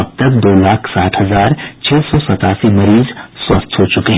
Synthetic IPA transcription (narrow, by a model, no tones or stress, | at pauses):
ɐb̚t̪ɐk̚d̪oːlaːkʰsaːʈʰɦɐzaːɾt͡ʃʰɛːsɔsɐt̪aːsimɐɾiːzswɐst̪ʰɦot͡ʃʊkeɦ